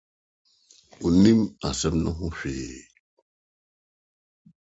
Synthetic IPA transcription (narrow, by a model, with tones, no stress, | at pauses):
u˨ni˦ma˨sɛ˦mnu˦ɦu˦fḛː˨